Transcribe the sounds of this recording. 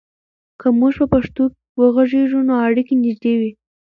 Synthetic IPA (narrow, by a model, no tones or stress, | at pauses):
kəmuʒpapaʂt̪ok | wəɣaʒeʒunoaɽikenɪʒd̪ewi